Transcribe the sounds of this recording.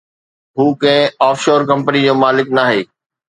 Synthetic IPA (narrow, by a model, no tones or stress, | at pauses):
ɦuːkɐ̃ɦɪ̃aːfʃoːɾkɐ̃mpənid͡ʑoːmaːlɪknaːɦeː